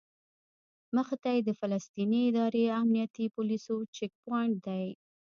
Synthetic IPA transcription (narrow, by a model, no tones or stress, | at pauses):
məxt̪ajed̪əfalast̪iniɪd̪ɑɾeamnijat̪ipʊlisot͡ʃɪk̚paɳʈ̚d̪aj